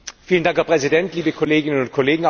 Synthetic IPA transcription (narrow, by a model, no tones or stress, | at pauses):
fiːləndaŋkhɛɐpʁ̥ɛzidɛntliːbəkʰɔleːɡɪnənʊnt̚kʰɔleːɡŋ̩a